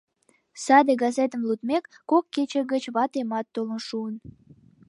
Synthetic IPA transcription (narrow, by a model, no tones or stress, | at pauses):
sɑd̪eɡɑzet̪əmlut̪mekːokːet͡ɕəɡət͡ɕβɑt̪emɑt̪ːolənʃuən